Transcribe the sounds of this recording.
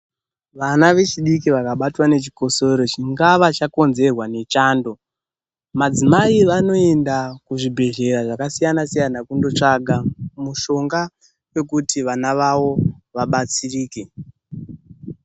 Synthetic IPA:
ʋanaʋe̞t͡ʃiɗik̬iʋakaɓatwane̞t͡ʃi̥ko̞soɾo̞t͡ʃiŋɡaʋat͡ʃako̞nze̞rwane̞t͡ʃaːndo̞ | mad͡zimaiʋano̞e̞ndakuʐibʱe̞ʒe̞ɾaʐakasijanasijanakundo̞t͡ʂaɡʱamuʃo̞ŋɡa | we̞kutiʋanaʋaʋo̞ʋaɓat͡siriːke

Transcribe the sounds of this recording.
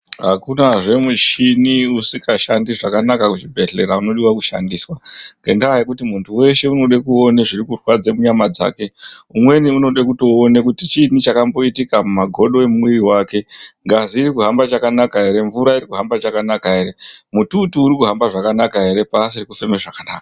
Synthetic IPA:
ɦakunaʐe̞muʃiniusikʰaʃandiʐakanakakuʐibʱe̞ɮe̞ɾauno̞ɗiwakuʃa̰ndiːswaŋɡe̞̰ndajekutimuntʰuwe̞ʃe̞uno̞ɗekuo̞neʐiɾikurwad͡zemuɲamad͡za̰ːke̞umwe̞niuno̞ɗekuto̞ːne̞kutit͡ʃinit͡ʃakambo̞itikamumaɡʱo̞ɗo̞emuwiriwaːke̞ŋɡaziːɾikuɦambat͡ʃakanakaɦe̞ɾe̞ɱvuɾaiɾikuɦambat͡ʃakanakaɦe̞ɾe̞mututuːɾikuɦambaʐakanakaɦe̞ɾe̞paːsirikufe̞meʐakanaːka

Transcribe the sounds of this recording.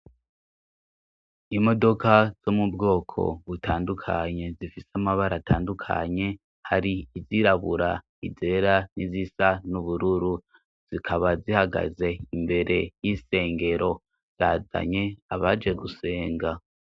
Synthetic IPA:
imo̞do̞kaz̥omubɡo̞ːkʰo̞̰βutʰaːndukʰaɲe̞zifiseamaβaɾataːndukʰa̰ɲe̞ | haɾiːziɾaβuɾa | ize̞ɾanizisanuβuɾuɾu | z̥ikʰaβazihaɡa̰ze̞imbe̞ɾe̞jise̞ːŋɡe̞ɾo̞ | z̥aːza̰ɲe̞aβad͡ʒeɡuse̞ːŋɡa

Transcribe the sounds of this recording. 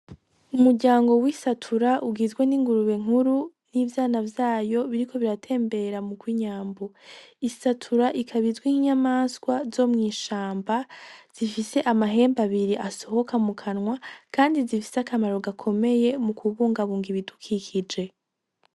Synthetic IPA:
umuɾɟaːŋɡo̞wisatʰuɾaʔuɡiːzɡwe̞niŋɡuɾuβe̞ŋ̥uɾu | niːvjaːnavjaːjo̞βiɾikʰo̞βiɾatʰe̞ːmbe̞ɾamuɡwiːɲaːmboisatʰuɾaʔikʰaβizɡwiŋiɲamaːnskwazo̞mŋiːʃaːmbaz̥ifise̞ʔamaɦe̞ːmbaβiɾiʔaso̞ho̞kamukʰanŋwakʰaːndizifi̥seakamaɾo̞ɡakʰo̞me̞je̞mukʰuβuːŋɡaβuːŋɡiβidukʰikʰid͡ʒe̞

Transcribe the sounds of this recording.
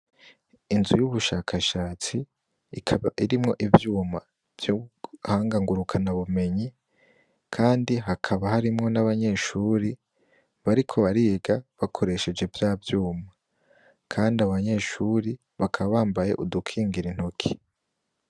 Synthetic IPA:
inzujuβuʃaːkʰaʃaːt͡si | iɾimŋo̞ʔivjuːma | v̥juhaːŋɡaŋɡuɾukʰanaβume̞ɲi | kʰaːndiɦakʰaβahaɾimŋo̞naβaɲe̞ʃuɾi | βaɾikʰo̞βaɾiɡaβakʰo̞ɾe̞ʃe̞d͡ʒe̞vjaːvjuːma | kʰaːndiaβaɲe̞ːʃuɾi | βakʰaβaβaːmbaje̞̰ʔudukʰiːŋɡiɾin̥hokʰi̥

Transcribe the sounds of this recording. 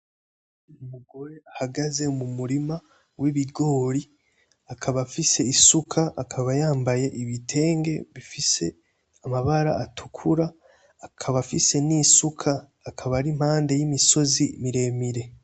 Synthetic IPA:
umuɡo̞ɾe̞ahaɡaze̞mumuɾima | wiβiɡo̞ːɾi | akʰaβafise̞isukʰaːkʰaβajaːmbaje̞ʔiβitʰe̞ːŋɡe̞βifise̞ | amaβaɾa̰atʰu̥kʰuɾaː | kʰaβafise̞niːsukʰaː | kʰaβaɾim̥haːnde̞jimiso̞zimiɾe̞miɾe̞

